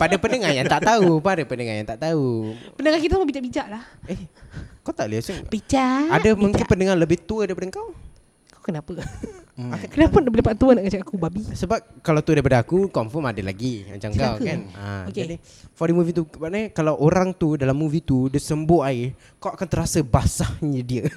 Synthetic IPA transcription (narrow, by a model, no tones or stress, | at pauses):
padapəndəŋarjaŋt̪aʔt̪aupdəpəndəŋaja̰ŋt̪aʔt̪aupənəŋakit̪asmabid͡ʒaʔbid͡ʒaʔlahɛhkawt̪aʔliaʔsɪŋbit͡ʃaadamuŋkɪpənəŋaləbɪht̪uədaɾipadəŋkaw | kawkənapə | akənapanbəlipaʔt̪uənaʔɡət͡ʃakakubabisəbap̚kalawt̪uədaɾipadəakukɔmfɔmadala̰ɡima̰ɲt͡ʃaŋkakanna̰adi | fɔdəimuvit̪ubaʔnaɲkalawʔoɾaŋt̪udalamːuvit̪udəsəmbohaɪ | kawakant̪əɾasəbasahɲədiə